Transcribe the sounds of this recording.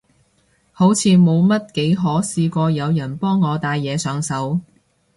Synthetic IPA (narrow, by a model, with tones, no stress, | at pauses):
ho˨˥wt͡sʰiː˨˧mo˨˧wmɐ˥t̚ke˨˥jɦɔː˨˥siː˧kʷɔː˧jɐ˨˧wjɐ˨˩npɔː˥ŋːɔː˨˧t̪aː˧jːɛː˨˧sœː˨˧ŋsɐ˨˥w